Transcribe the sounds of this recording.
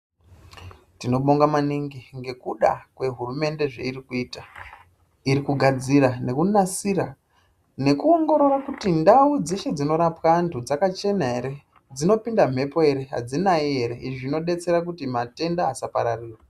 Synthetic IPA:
tino̞ɓoŋɡamaniŋɡiŋɡe̞kuɗa̰kwe̞ɦurume̞nde̞ʐḛiɾikuiːta | iɾikuɡʱad͡ziɾane̞kunasiɾa | ne̞kuoŋɡo̞ɾo̞rakutindaud͡ze̞ʃe̞d͡zino̞ɾapwantʰud͡zakat͡ʃe̞naɦe̞ɾe̞ | d͡zino̞pindam̤e̞po̞e̞ɾe̞ɦa̰d͡zinaie̞ɾe̞ʔiʐino̞ɗe̞t͡se̞ɾakutimate̞ndaːsapa̰ɾariːrwa

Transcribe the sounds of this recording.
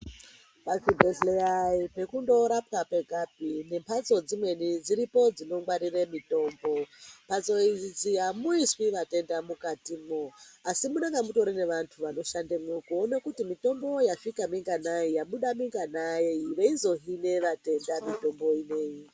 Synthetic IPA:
pavibʱesleaipe̞kundo̞ɾapkape̞ɡʱab̚ʱine̞mpʰat͡so̞d͡zimwe̞nid͡ziɾipo̞d͡zino̞ŋɡwaɾiremito̞ːmbo̞mpat͡so̞iid͡ziamuiswiʋate̞ndamukatimoasimuneŋɡamuto̞ɾine̞ʋantʰuʋano̞ʃandemukone̞kutimito̞mbo̞jaʂikamiŋɡanaijaɓuɗamiŋɡanaeiʋeizo̞ɦine̞ʋate̞ndamito̞mbo̞ine̞ːji

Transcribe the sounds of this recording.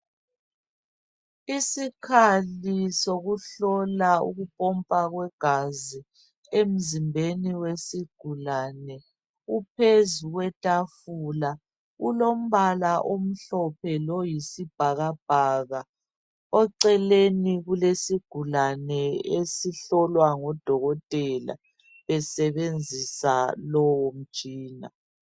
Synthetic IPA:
isikʰalisoɣuɬɔlaṵɣupʼɔmpʼaɣwɛɡ̥ʱazi | em̩zimbʱeniwesiɡ̥ʱulanɛ | upʰezuɣwɛtʼafula | ulom̩βalaʔom̩ɬɔpʰɛlɔjisib̥ʱaɣab̥ʱaɣa | ɔǀɛleniɣulesiɡ̥ʱulanɛesiɬɔlwaŋɔd̥ʱɔɣɔtʼɛla̰ | βɛsɛβend͡zʱisalɔwɔm̩̥ʒ̥ʱiːna̰

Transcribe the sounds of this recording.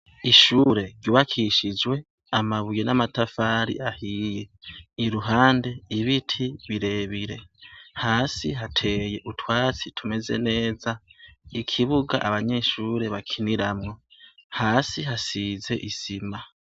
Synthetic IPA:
iʃuːɾe̞ɟjuβakʰiʃid͡ʒwe̞ | amaβujenamatafaːɾḭʔahije̞iɾuɦaːnde̞iβitʰiβiɾe̞βiɾe̞haːsiɦatʰe̞je̞ʔutʰwaːt͡sitʰume̞ze̞̰ne̞ːzaikʰiβuɡa̰ʔaβaɲe̞ːʃuːɾe̞βakʰiniɾamŋo̞haːsiɦasiːze̞̰ʔisima

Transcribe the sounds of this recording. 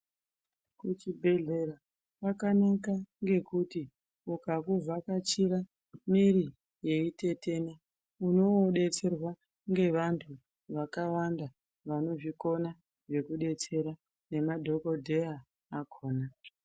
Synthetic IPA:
kut͡ʃibʱe̞ɮe̞ɾa | pakanakaŋɡe̞kuti | ukakuvakat͡ʃiɾa | miɾi | je̞ite̞te̞na | uno̞oɗe̞t͡se̞rwa | ŋɡe̞ʋantʰu | ʋakawanda | ʋano̞ʐiko̞na | ʐe̞kuɗe̞t͡se̞ɾa | ne̞madʱo̞ko̞dʱeaː | kʰoːna

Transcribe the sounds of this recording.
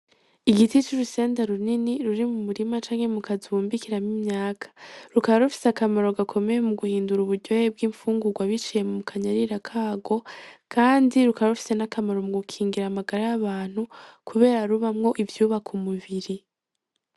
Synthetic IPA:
iɡitit͡ʃiɾuse̞ːndaɾuniniɾuɾimumuɾimat͡ʃaːŋhe̞mukʰaziβuːmbikiɾamimɲaːkʰḁɾukaβaɾufi̥seakamaɾo̞ɡakʰo̞me̞jemuɡuhiːnduɾuβuɾɟo̞jeb̚ɡiːɱfuːŋɡuɡwaβit͡ʃije̞mumukʰaɲaɾiɾakʰaːɡo̞kʰaːndiɾukaβaɾufi̥se̞nakamaɾo̞muɡukʰiːŋɡiɾaːmaɡaɾajaβaːn̥hukuβe̞ːɾaɾuβamŋo̞ʔivjuːβakʰumuβiɾi

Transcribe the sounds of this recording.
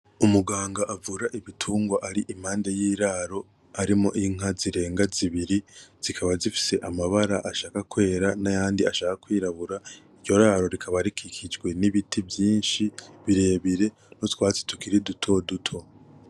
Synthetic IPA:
umuɡaːŋɡaʔavuɾaʔiβitʰuːŋɡwaʔaɾiʔim̥haːnde̞jiːɾaːɾo̞ | aɾimo̞̰ʔiŋ̥aziɾe̞ːŋɡaziβiɾiz̥ikʰaβazifi̥se̞ʔamaβaɾaʔaʃaːkakwe̞ːɾanajaːndiaʃaːkakwiːɾaβuɾaiɾɟo̞ɾaːɾo̞ɾikʰaβaɾikʰikʰid͡ʒɡwe̞niβitivjiːnʃiβiɾe̞ːβiɾe̞ | notwaːt͡se̥tukiɾidutʰo̞dutʰo̞

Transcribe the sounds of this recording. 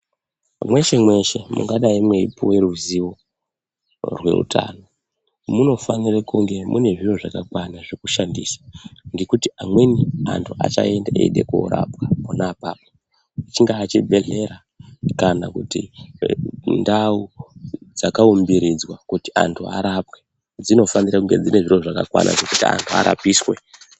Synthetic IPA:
mwe̞ʃe̞mwe̞ʃe̞mṵŋɡaɗaimwe̞ipowe̞ɾuziwo̞ | rwe̞̰ṵtʰa̰ːno̞ | muno̞fanirakuŋɡe̞mʔune̞ʐiwoʐakakwanaʐekuʃandiːsḁŋɡe̞kutiamwenia̰ntʰuʔa̰t͡ʃa̰e̞ndaʔḛiɗḛkṵɾa̰pwamunapaːpo | it͡ʃiŋɡaːt͡ʃibʱe̞ɮe̞ɾa | kana̰kutḭ | ndaud͡zakaumbiɾid͡zwakuti̥a̰ntʰuaɾapwe | d͡zino̞fanirakuŋɡe̞d͡zine̞ʐiro̞ʐakakwa̰nʔa̰ʐe̞kutia̰ntʰua̰ɾa̰piːswe̞

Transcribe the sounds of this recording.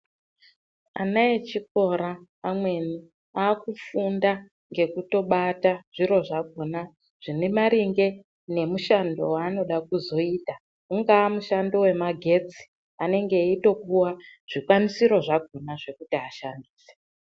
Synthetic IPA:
a̰naet͡ʃik̚o̞ɾaː | mwe̞ni | aːkufunda | ŋɡe̞kuto̞ɓataʐ̥iɾo̞ʐaɡ̚ʱona | ʐ̥inemaɾiŋɡe̞ | ne̞muʃando̞̰waːno̞ɗakuzo̞iːta | uŋɡaːmuʃando̞we̞maɡʱe̞t͡si̥ | ane̞ŋɡe̞ito̞kuwaʐ̥ikwanisiɾo̞ʐaɡʱonaʐe̞kutiɦaʃandiːse

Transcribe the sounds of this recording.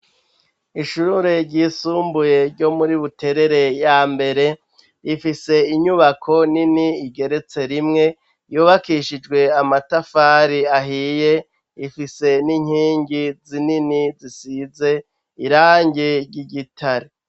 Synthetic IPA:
iʃuɾeɾɟiːsuːmbuje̞ɾɟo̞muɾiβute̞ɾe̞ɾe̞jaːmbe̞ɾe̞ | ifise̞iɲuβakʰo̞niniːɡe̞ɾe̞t͡se̞ɾimŋe̞ | juːβakiʃid͡ʒɡwe̞amatafaːɾiaɦije̞ | ifise̞niɲ̥hiːŋɡizininizisize̞ | iɾaːɲɟeɾɟiɟitʰaɾe

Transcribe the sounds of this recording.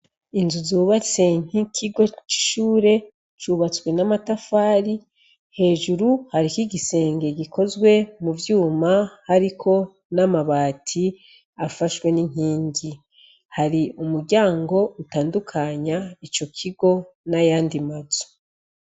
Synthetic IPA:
inzuzuːβat͡se̞ŋ̥ikʰiɡo̞t͡ʃi̥ʃuːɾe̞ | t͡ʃuːβat͡swe̞namatafaːɾi | he̞ːʒuɾuhaɾikiɡise̞ːŋɡe̞ɡikʰo̞zɡwe̞muvjuːmahaɾikʰo̞ | namaβaːtʰi | afaʃwe̞niŋ̥iːɲɟi | haɾiumuɾɟaːŋɡo̞utaːndukʰaɲait͡ʃo̞kʰiɡo̞najaːndimazu̥

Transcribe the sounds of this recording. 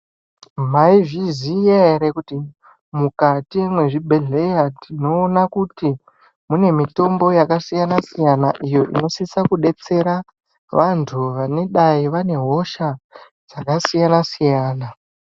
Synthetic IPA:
maivizijeɾekuti | mukatiwemwe̞ʐibʱe̞ɮe̞jatino̞ːnakuti | mune̞mito̞mbo̞jakasijanasijanaʔijo̞ʔḭno̞sisakuɗe̞t͡se̞ɾa | ʋantʰuʋane̞ɗaiʋane̞ɦo̞ʃa | d͡zakasijanasijaːna

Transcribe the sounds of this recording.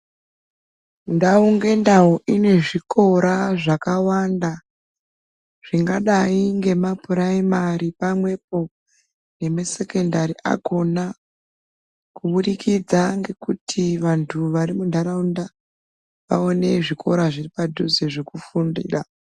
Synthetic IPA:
ndauŋɡe̞ndaoʔine̞ʐikʰo̞ɾaʐakawanda | ʐ̥iŋɡaɗaiŋɡe̞mapuɾaimaɾipamwe̞p̚o̞ | ne̞mase̞kendaɾiʔa̰ɡʱo̞na | kuɓunikʰid͡zaŋɡe̞kutʰiʋantʰuʋaɾimundʱaɾaunda | ʋa̰o̞ne̞ʐikʰo̞ɾaʐiripadʱuzeʐekufundḭːra

